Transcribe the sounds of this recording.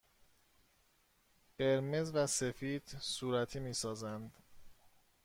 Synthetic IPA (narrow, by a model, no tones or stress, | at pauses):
ɢ̥e̞ɾmezvæse̞fiːd̪̥suːɾæt̪ʰiːmiːsɒːzænd̪